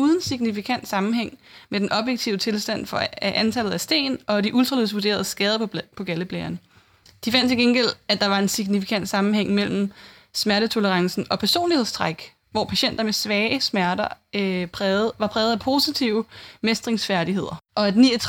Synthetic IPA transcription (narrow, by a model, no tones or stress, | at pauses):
uːðˠən̩siɡ̥nifikʰæn̰d̥sɑ̈mm̩ɦeŋ̰med̥enʔɒ̽b̥jeɡ̥̚t͡sʰiʊt͡sʰe̝lsd̥æn̰fɒ̽ʔænt͡sʰælð̞̩ˠæsd̥e̝̰ːnɒ̽d̥iʔuld̥ʁɐliðˠsʋuɐd̥e̝ːɐð̞̩ˠəsɡ̥ɛːð̞ˠɐpʰɒ̽ɡ̥æləb̥lɛːɐn | d̥ifæn̰d̥t͡sʰe̝ɡ̥enɡ̥el̰æd̥ɑ̈ʋɑ̈e̝nsiɡ̥nifi̥kʰæn̰d̥sɑ̈mm̩heŋ̰mel̰m̩ | smæɐɾ̥ət͡sʰo̝ləʁɑ̈ŋsn̩ɒ̽pʰæɐso̝̰ːnlihe̝ð̰ˠst͡sʰʁaɡ̥ | ʋɒ̰pʰæɕen̰d̥ɐmesʋɛːɪəsmæɐdɐpʰːʋɑ̈pʰʁɛːʊð̩ˠæpʰo̝ːsit͡sʰiʊ̰mesd̥ʁeŋsfæɐɾiɦe̝ð̞̰ˠɐʔɒ̽ædnit͡sʰ